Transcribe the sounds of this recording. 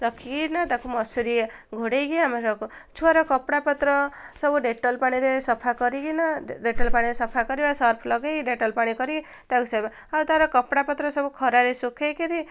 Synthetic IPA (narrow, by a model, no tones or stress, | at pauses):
ɾɔkʰiɡinat̪akʰumɔsuɾiaɡʱoɽejɡiamaɾɔkut͡ʃʰuaɾɔkɔpɽapɔt̪ɾɔsɔbuɖeʈɔlpaɽ̃iɾesɔpʰakɔɾiɡinaɖeʈɔlpaɽ̃iɾesɔpʰakɔɾibasʌɾpʰlɔɡejɡiɖeʈɔlpaɽ̃ikɔɾiɡi | t̪akusajba | aut̪aɾɔkɔpɽapɔt̪ɾɔsɔbukʰɔɾaɾesukʰejkeɾi